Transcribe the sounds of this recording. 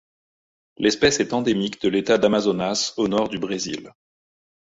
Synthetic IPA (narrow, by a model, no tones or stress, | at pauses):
lʔɛspɛsɛt̪ɑ̃d̪emikd̪əlet̪ad̪amazonasonɔʁd̪ybʁezḭl